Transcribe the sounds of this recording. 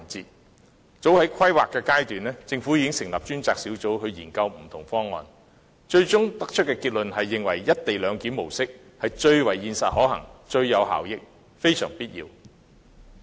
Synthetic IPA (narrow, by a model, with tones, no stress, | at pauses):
nt͡siː˨˧t̚ | t͡so˨˥whɐ˨˥jkʰɐ˥jwaː˨kːɛː˧kaː˥jt̪yː˨nɛː˥t͡sɪ˧ŋfuː˨˥jiː˧kɪ˥ŋsɪ˨˩ŋlɐ˨p̚t͡ʃyː˥nt͡saː˨k̚si˨˥wt͡so˨˥whɵ˧ɥjiː˨˩nkɐ˧wm̩˨˩t̪ʰʊ˨˩ŋfɔː˥ŋːɔ̰ː˧n | t͡ʃɵ˧ɥt͡sʊ˥ŋt̪ɐ˥k̚t͡ʃʰɵ˥t̚kɛː˧kiː˧t̚lɵ˨nɦɐ˨jːɪ˨ŋwɐ̰˨˩jːɐ˥t̚t̪e˨jlœː˨˧ŋkiː˨˥mo˨˩wsɪ˥k̚ | hɐ˨jt͡ʃɵ˧ɥwɐ˨˩jːiː˧nsɐ˨t̚hɔː˨˥hɐ̰˨˩ŋt͡ʃɵ˧ɥjɐ˨˧wɦa̰ː˨˩wjɪ˥k̚ | fe˥jsœ̰ː˨˩ŋpiː˥t̚jḭː˧w